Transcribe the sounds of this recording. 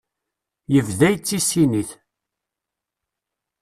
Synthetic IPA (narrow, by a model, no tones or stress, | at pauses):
jəvðæjt͡sːisiniθ